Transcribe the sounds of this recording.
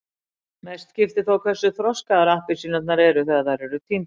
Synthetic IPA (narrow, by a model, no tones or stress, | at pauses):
mɛst̪scɪft̪ɪθawkʰvɛrsʏθɾɔskaðaɾahpɪsɪnœt̪naɾɛɾʏθɛðaθaɾɛɾʏt̪ʰim